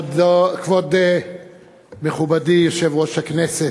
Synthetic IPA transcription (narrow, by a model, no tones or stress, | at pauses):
dkvod̪e | meχubad̪ijoʃevʁoʃhaknese